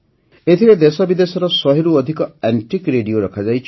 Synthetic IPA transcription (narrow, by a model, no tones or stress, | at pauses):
et̪ʰiɾed̪esɔbid̪esɔɾɔsɔɦeɾuɔd̪ʱikɔɛɳʈikɾeɖioɾɔkʰad͡ʒajt͡ʃʰ